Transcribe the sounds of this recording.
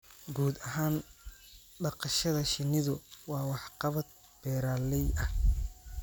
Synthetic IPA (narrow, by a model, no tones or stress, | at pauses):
ɡuːd̪ɐɦaːn | ɖɑqɑʃɐðɐʃɪnːɪðʊwɑːwɑħqɑβɐd̪̚ | b̥ɛːɾaːlɛjɐh